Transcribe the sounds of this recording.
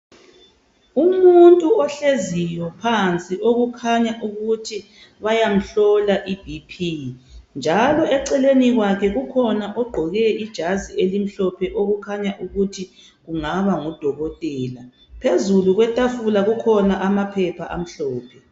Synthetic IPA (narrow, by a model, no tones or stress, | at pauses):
umuntʼuɔɬezijɔpʰant͡sʼiʔoɣukʰaɲaʔuɣutʰi | βajam̩ɬɔlaʔib̥ʱipʰind͡ʒʱalɔɛǀɛleniɣwakʰɛɣukʰɔnaʔɔɡ͡ǃʱɔɣɛid̥ʒ̥ʱazielim̩ɬɔpʰɛʔoɣukʰaɲaʔuɣutʰi | ɣuŋaβaŋɔd̥ʱɔɣɔtʼɛːla | pʰezuluɣwɛtʼafulaɣukʰɔnaʔamapʰɛpʰaʔa̰m̩ɬɔːpʰɛ